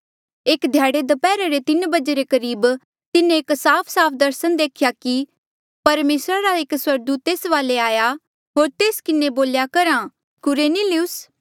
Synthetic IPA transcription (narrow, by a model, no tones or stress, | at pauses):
eːkd̪ʱjaːɽed̪ɐpɛːɾaɾet̪ɪnbɐd͡ʒeɾekɐɾiːb | t̪ɪnẽːksaːpʰsaːpʰd̪ɐɾsənd̪eːkʰjaki | pɐɾmeːsɾaɾaekswɐɾd̪uːt̪ːeːsʋaːleaːja | ɦoːɾt̪eːskɪneboːljakɐɾã | kʊɾeːniliʊs